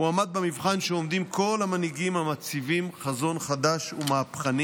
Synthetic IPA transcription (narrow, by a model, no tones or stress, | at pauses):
uamad̪̚bemivχanʃeo̞md̪imkʰo̞lamaniɡimhamat͡sivimχazo̞nχad̪aʃumaapχani